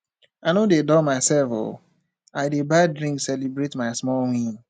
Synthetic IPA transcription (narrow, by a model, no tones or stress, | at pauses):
anodedɔmaɪsɛlfo̰ | aɪdebadɾĩŋksɛlibɾetmaɪsmɔlwĩn